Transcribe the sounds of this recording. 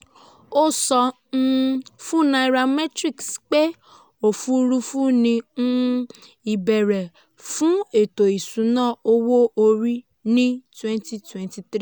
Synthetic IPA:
o˦sɔ˧ | n̩˦fu˦na˧˨ɾa˧mɛ˦tɾi˦˨ksk͡pe˦ | o˨fu˦ɾu˦fu˦nĩ˧n̩˦ | i˨bɛ˨ɾɛ˨ | fũ˦e˨to˨i˨sũ˨˦nãː˦˨o˧wo˦o˧ɾi˦ | nĩ˦twɛ̃˦nti˦twɛ̃˦nti˧tɾi˦

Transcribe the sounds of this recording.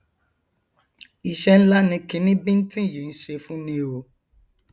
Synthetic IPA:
i˨ʃɛ˧n̩˦la˦nĩ˧kĩ˨˦nĩ˦bi˦n̩˦tĩ˦˨ji˨n̩˦ʃe˧fũ˦nĩ˧o˨

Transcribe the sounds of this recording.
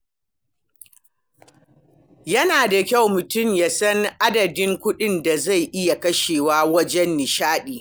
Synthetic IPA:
jɐ˦naː˨da˨kʲa˦˨wmʊ˨tʊ˦˨mjaː˨sɐ˦ŋʔa˦dɐ˨dɪ˦ŋkʷʊ˦ɗɪ˦nda˨za˦˨jʔɪ˦ja˨kɐ˦ʃeː˨waː˦wɐ˦d͡ʒɛ˦nːɪ˨ʃaː˦ɗiː˨

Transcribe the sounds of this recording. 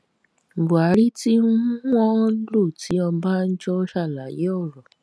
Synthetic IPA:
ɡ͡bo˨a˨˦ɾi˦tĩ˦ɔ̃˦lo˦˨ti˨˦ɔ˧baː˦n̩˦d͡ʒɔ˧˦ʃa˦˨la˨je˨˦ɔ˦˨ɾɔ˨

